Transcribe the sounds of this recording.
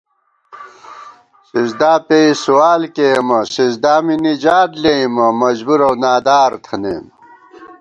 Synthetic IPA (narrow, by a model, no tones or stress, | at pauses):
sizd̪aːpeisuwaːlkemɐsizd̪aːminid͡ʑaːd̪leimɐmɐd͡ʑbuɾɐwnaːd̪aːɾt̪ʰɐnḛːm